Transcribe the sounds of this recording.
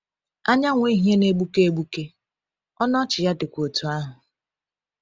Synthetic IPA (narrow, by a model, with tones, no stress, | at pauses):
a˦ɲa˦ŋʷ˦i˦ɦje˦ne˦ɡ͡bu˦ke˦e˦ɡ͡bu˦ke˦ | ɔ˦nɔ˦t͡ʃɪ˨ja˦dɪ˨kʷo˨tu˨a˦ɦʊ˨